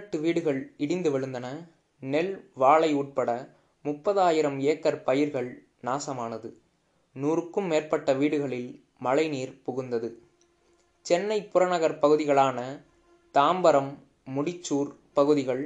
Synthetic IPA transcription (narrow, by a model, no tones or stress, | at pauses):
ʈːɯʋiːɽɯɣɐɭɪɽɪnd̪ɯʋɛɻɯnd̪ɐnɐ | nɛlʋaːɭɐɪuːʈ̚pɐɽɐ | mʊpːɐðaːjɪɾɐmeːkːɐɾpɐjɪɾɣɐɭ | naːsɐmaːnɐðɯ | nuːrɯkːɯmːeːrpɐʈːɐʋiːɽɯɣɐɭɪl | mɐɭɐɪniːɾpʊɣɯnd̪ɐðɯ | t͡ʃɛnːɐɪpʊɾɐnɐɣɐɾpɐɣɯðɪɣɐɭaːnɐ | t̪aːmbɐɾɐmː | ʊɽɪt͡ʃːuːɾ | pɐɣɯðɪɣɐɭ